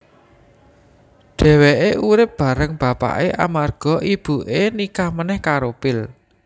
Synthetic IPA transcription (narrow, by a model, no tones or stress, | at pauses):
ɖ̥ɛ̤weʔeʔuɾɪp̚b̥ä̤ɾəŋb̥ä̤pa̰ʔeʔa̰marɡ̥ɔ̤ʔib̥ṳʔenikahmənɛhkaɾopɪl